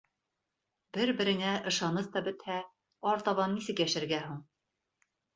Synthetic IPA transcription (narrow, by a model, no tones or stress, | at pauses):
bɘɾbɘ̆ɾɘ̆ŋæʔɤ̆ʃɑnɤθt̪ɑbɘ̆t̪hæ | ɒɾt̪ɑβɑnːisɘkjæʃɘ̆ɾɡæɦuɴ